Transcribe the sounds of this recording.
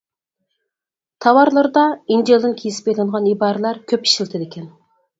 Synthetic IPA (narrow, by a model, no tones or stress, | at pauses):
t̪ʰɑwɑɾlˠɨɾd̪ɑind͡ʒelˠd̪ɨnkʲʰijsɪ̥pejlɪŋʁɑnibɑːɾɨlˠɑɾkʲʰøpi̥ʃilt̪ʰɪd̪ekʲʰɛn